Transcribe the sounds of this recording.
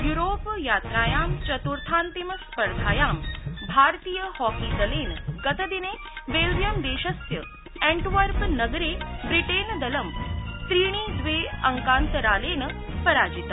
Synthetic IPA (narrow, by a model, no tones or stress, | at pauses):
juɾoːpjaːt̪ɾaːjaːmt͡ʃɐt̪uɾt̪ʰaːnt̪iməspəɾk̪ʰaːjaːmbʱaːɾt̪iːjəhɔːkiːd̪ɐleːnɡɐt̪əd̪ineː | ʋeːld͡ʒjəmd̪eːʃɐsjə | ẽɳʈʋəɾpnɐɡɾeːbɾiʈeːnd̪ɐlɐmst̪ɾiːɽ̃iːd͡zʋeːɐŋkãːnt̪əɾaːleːnə | pɐɾaːd͡ʒit̪a